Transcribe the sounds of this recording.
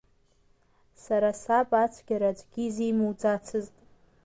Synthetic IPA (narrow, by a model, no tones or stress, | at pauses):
saɾasapʼat͡sʷʰɡʲaɾad͡ʒʷʼɡʲizejmuwd͡zat͡sʰɨztʼ